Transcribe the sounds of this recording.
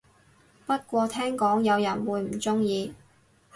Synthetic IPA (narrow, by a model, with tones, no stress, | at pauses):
pɐ˥t̚kʷɔː˧t̪ʰɛː˥ŋkɔː˨˥ŋjɐ˨˧wjɐ˨˩nwuː˨˧jm̩˨˩t͡sʊ˥ŋjiː˧